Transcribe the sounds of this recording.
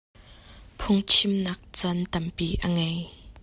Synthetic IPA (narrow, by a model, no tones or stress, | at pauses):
pʰʊŋt͡ʃʰimnɐk̚t͡sɐnt̪ɐmpiʔɐŋɛj